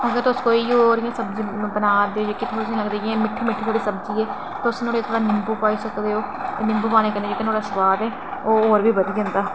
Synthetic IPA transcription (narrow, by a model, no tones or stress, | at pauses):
əɡəɾt̪ʊskoːiːoːɾɪjãːsəb̚d͡ʒĩbənaːd̪eːoːd͡ʒeːkit̪ʰːʊsĩːləɡd̪eːɡẽːmɪʈʰːmɪʈʰk̪oːɽiːsəbd͡ʒiːɛː | t̪ːʊsnoːɽet̪ʰːɾaːnɪmbuːpaːiːsəkd̪eːoː | nɪ̃mbuːpaːneːkəɾd̪ed͡ʒeːkənoːɾaːsəʋaːd̪ɛː | oːɦoːɾʋiːbəd̪iːɦãːnd̪aː